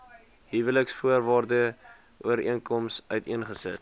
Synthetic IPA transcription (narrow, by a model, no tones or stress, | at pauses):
ɦivələksfuərvɑːrdə | ʔuəɾiənkɔmsœɥtiənχəsə̰t